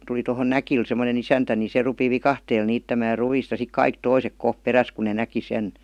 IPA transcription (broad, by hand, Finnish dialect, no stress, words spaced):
tuli tohon nækil semə̆nen isæntæ ni se rupi ʋikɑhteːl niːtːæmæː ruiˑst jɑ sik kɑik toisek koh peræs ku ne næki sen